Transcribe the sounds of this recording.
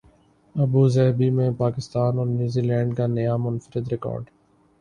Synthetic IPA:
ɐbuzɛɦbimẽpaːkɪst̪aːnɔːɾnjuːzilɛ̃ːɳɖkanɐjaːmʊnfəɾɪd̪ɾɪkɔ̰ːɾɖ

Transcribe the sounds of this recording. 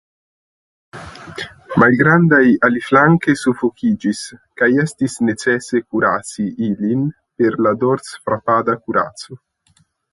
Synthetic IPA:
malɡɾandajaliflaŋkesufokʰid͡ʒiskajestisne̞t͡sesekuɾat͡siʔilin | pe̞ɾlad̪oɾt͡sfɾapad̪akuɾa̰t͡so

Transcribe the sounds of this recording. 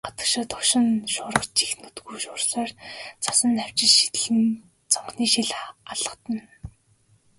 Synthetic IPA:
ɢḁt͡s̪ə̥̆rʃəːt̪ʰʊʃɪ̆nʃʊːɾə̆kt͡ɕt͡ɕi̥xnut̪ɡujʃʊːrɮaːrt͡sʰḁsə̆næw̥t͡ɕɪ̆t͡ɕʃi̥t̪ɘ̆ɮɘ̆n | t͡sɔɴχniːʃiɮaɮə̆qt̪ə̆n

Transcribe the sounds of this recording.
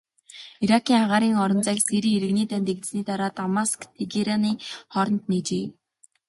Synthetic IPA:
iɾakʰiːŋχaʁaːɾiːŋɔɾɞ̆nt͡sækseɾiːeɾɘ̆ɣniːt̪ʰænt̪eɣt̪sniːt̪aɾaːt̪amaskneɡeɾaniːχɔɾɞ̆nt̪neːt͡ɕeː

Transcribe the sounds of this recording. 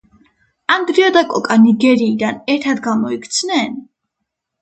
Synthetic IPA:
and̪ɾiɔd̪akʼɔkʼaniɡɛɾiːd̪anɛɾt̪ʰad̪ɡamɔikʰt̪sʰnɛn

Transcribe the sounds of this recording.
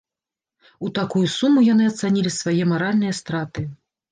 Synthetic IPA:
ut̪akujusumujanɨɐt̪sanʲilʲisvajɛmaɾalʲnɨjɐst̪ɾat̪ɨ

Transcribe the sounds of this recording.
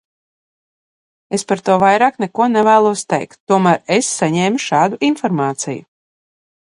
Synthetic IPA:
espaɾt̪uɔvajɾaːknɛkuɔnɛvæːlˠuɔst̪ɛ̰jkt̪ːuɔmæːɾesːaɲɛːmuʃɑːd̪uinfɔɾmaːt̪sḭjṵ

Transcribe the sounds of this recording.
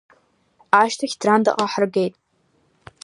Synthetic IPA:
aʃtʰaxʲd̥randa̰qʼaħrɡejtʼ

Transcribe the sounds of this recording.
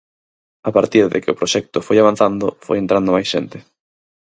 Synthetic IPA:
apaɾt̪iɾðḛkɪʊpɾoʃɛk̚t̪ʊfojaβan̟θand̪ʊfo̰jent̪ɾand̪ʊmajsʃent̪ɪ

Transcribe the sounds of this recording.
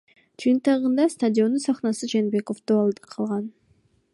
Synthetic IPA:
d͡ʒɯjɨnt̪ɑʁɯnd̪ɑst̪adʲɪo̞nːunsɑχnɑsɨd͡ʒe̞nbe̞ko̞fd̪oɑlˠd̪qʰɑlˠʁɑn

